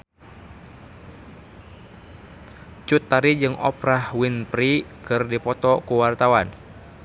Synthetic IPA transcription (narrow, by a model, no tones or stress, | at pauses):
t͡ʃut̪ːaɾid͡ʒɨŋɔ̰pɾahwinpɾikɨrdipɔt̪ɔkuwart̪awan